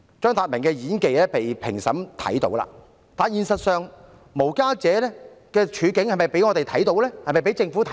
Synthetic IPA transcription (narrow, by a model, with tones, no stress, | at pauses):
t͡ʃœː˥ŋt̪aː˧t̚mɪ˨˩ŋkɛː˧jiː˨˥nke˨jlɛː˥pe˨jpʰɪ̰˨˩ŋsɐ˨˥mt̪ʰɐ̰˨˥jt̪o̰˨˥wla̰ː˧ | t̪aː˨njiː˧nsɐ˨t̚sœː˨ŋ | mo˨˩wkaː˥t͡sɛː˨˥lɛː˥kɛː˧t͡ʃʰyː˨˧˥kɪ˨˥ŋhɐ˨jmɐ˨˩jpe˨˥jŋɔː˨˧t̪e˨jt̪ʰɐ˨˥jt̪o˨˥wlɛː˥hɐ˨jmɐ˨jpe˨˥jt͡sɪ˧ŋfu˨˥t̪ʰ